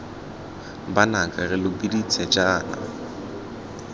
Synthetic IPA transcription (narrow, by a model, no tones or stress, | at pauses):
banakʼarɪlʊbidit͡sʰɛd͡ʒʼaːna̰